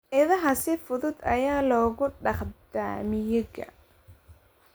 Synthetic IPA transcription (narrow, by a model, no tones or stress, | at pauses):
ʔɪðɐɦɐsɪfʊðʊd̪ɐ̰jaːlɔːɣʊɖɑχd̪a̰ːmɪjɪɣɐ̰